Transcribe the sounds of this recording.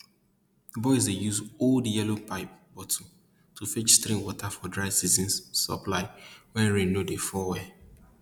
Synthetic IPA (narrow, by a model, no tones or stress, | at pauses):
ðəbɔɪzejuzoldjɛlopaɪp̚b̥ɔtʰɔ̃ | tʰufit͡ʃstɾĩŋwɔtʰafɔdɹaɪsizɔ̃nssɔ̰plaɪwɛ̃nɹenodefɔwɛ